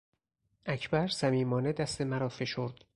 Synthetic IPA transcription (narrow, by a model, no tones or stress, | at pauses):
ʔæcʰbæɾsæmiːmɒːned̪æst̪e̞mæɾɒːfe̞ʃo̞ɾd̪̥